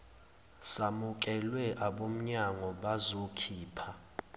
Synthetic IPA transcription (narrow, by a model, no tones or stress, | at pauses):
samuk̬ʼɛlwɛʔaɓom̩ɲaŋɔɓazokʰiːpʰa